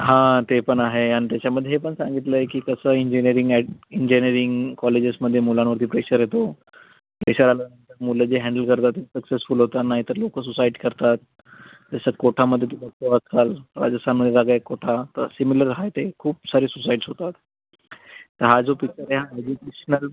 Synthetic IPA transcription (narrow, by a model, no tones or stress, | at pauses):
ɦãt̪epəɳaɦeanit̪at͡ɕaməd̪ʱːjeɦepəɳsãŋɡit̪ləekiːkəsəːiɲd͡ʑiniəɾiŋɡɛɖiɲd͡ʑiniəɾiŋɡkɔled͡ʑesməd̪ʱːjemulãnʋəɾt̪ʰiːpɾeɕəɾɦet̪o | pɾḛɕəɾalanənt̪əɾmuləd͡ʑeɦæ̃ɳɖəlkəɾt̪at̪ːisəksesfulɦot̪anaɦit̪əɾlokəs̬usaiʈi̥kəɾt̪at̪̚ː | asəkoʈʰaməd̪ʱːjet̪uləksoʋat̪kalɾa̰d͡ʑəst̪ʰanməd̪ʱːjeaɡaekːoʈʰat̪əɾsimiləɾɦajt̪ekʰuːpsaɾiːsusaiʈsɦot̪at̪ | t̪ːəɾɦad͡zopik̚t͡ɕəɾeɦãed͡ʑukeɕənəl